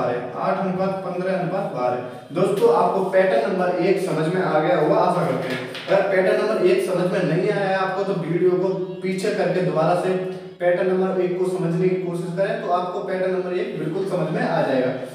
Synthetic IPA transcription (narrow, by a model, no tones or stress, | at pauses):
aːɾɦɛ̰ | a̰ːʈʰɦɐnbaːt̪̚pɐ̃nd̪ɾəɦɐnbaːt̪baːɾɦɛ̰ː | d̪oːst̪õa̰ːp̚kopɛːʈənːɐ̃mbəɾeːksɐməd͡ʒʱmẽaːɡɐjaɦoːɡaaːsakɐɾt̪eɦɛ̃ | ɐɡəɾpɛːʈənɐ̃mbəɾeːksɐməd͡ʒʱmẽnɐɦĩaːaaːp̚kot̪obiːɽijot̪opiːt͡ʃʰekɐɾked̪ʊbaːɾase | pɛːʈənːɐ̃mbəɾeːkːosɐməd͡ʒʱnekikoːʃɪʃkɐɾẽt̪oaːp̚kopɛːʈənːɐ̃mbəɾeːkbɪlkʊlsɐməd͡ʒʱmẽʔaːd͡ʒaːeːɡaː